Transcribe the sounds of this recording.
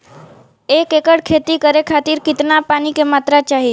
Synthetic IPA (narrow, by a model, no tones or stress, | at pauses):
eːkekəɽkʰeːt̪ikəɾekʰaːt̪iɾkɪt̪napaːnikemat̪ɾat͡ʃaɦi